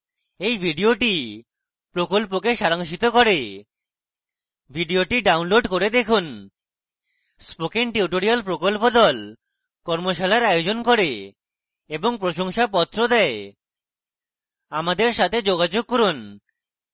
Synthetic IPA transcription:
ejbʱiɖioʈi | pɾokolp̬okeʃaɾaŋʃit̪okɔɾe | bʱiɖioʈiɖawnloɖkoɾed̪ekʰun | spokiŋʈiuʈoɾialpɾokolpod̪ɔl | kɔɾmoʃalaɾajod͡ʑonkoɾe | eboŋpɾoʃoŋʃapɔt̪ːɾod̪ɛe | amad̪eɾʃat̪ʰed͡ʑoɡad͡ʑoɡ̚koɾon

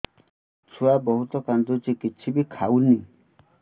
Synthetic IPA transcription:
t͡ʃʰuabɔɦut̪ɔkand̪ut͡ʃikit͡ʃʰibikʰawni

